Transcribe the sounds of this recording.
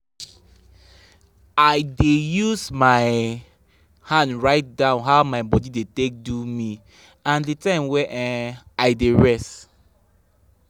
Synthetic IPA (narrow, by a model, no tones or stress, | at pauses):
aɪdejuzmaɪ | hãndɹaɪt̚dãʊ̃nɦaʊmaɪbɔdidetek̚dumi | ãndetãɪ̃mwɛʔɛaɪdeɹɛst